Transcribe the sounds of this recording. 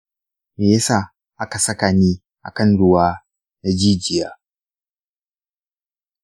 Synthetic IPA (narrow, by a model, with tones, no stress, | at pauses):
me˨jɐ˦saː˦˨ | ʔa˦ka˨sɐ˦ka˨niː˦ | ʔa̰˨kɐ˦nɽʊ˦waː˦ | na˦d͡ʒiː˦d͡ʒɪ˨jaː˦